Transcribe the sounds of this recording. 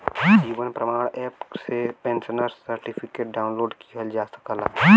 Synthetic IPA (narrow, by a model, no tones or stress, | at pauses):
d͡ʒiːʋənpɾəmaːɽɛːpsepẽːnsənəɾsəɾʈipʰɪkeːʈ̚ɖaːʊ̃nloːɖkiɦɛld͡ʒaːsə̥kəla̰ː